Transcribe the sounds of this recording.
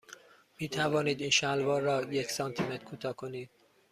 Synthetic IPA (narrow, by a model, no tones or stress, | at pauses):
miːt̪ʰævɒːniːd̪iːnʃælvɒːrːɒːje̞csɒnt̪ʰimet̪kʰuːt̪ʰɒːkʰo̞niːd̪̥̚